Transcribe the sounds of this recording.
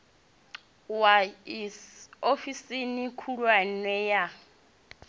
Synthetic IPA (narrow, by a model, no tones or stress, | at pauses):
waiofisinikʰuɺwanwɛja